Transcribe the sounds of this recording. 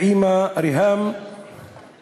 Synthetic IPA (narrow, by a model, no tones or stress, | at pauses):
iːmaɾɪɦaːm